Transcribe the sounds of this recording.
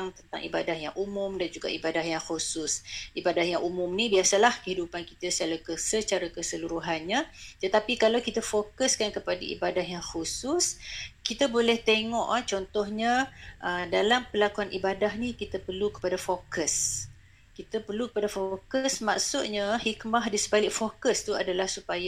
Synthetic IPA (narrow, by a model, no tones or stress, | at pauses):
aŋt̪ənt̪a̰ŋʔibadahja̰ŋʔumʊ̃mdand͡ʒuɡa̰ʔibadahjaŋxusʊsʔibadahjaŋʔumʊ̃mnibiasalahkəɦidupankit̪asə̥t͡ʃalakəsət͡ʃaɾakəsəluɾuɦanɲat̪ət̪apikalawkit̪əfokəskankəpada̰ʔḭbadahjaŋxususkit̪abolɛht̪eŋɔʔt͡ʃɔnt̪ɔhɲaʔədalampəlakuanʔibadaɦnikit̪apərlukə̥padafokəs | kit̪əpərlukə̥padafokəsma̰ksut̪̚ɲahikmaɦdisəbalɪk̚fokəst̪uadalahsupaja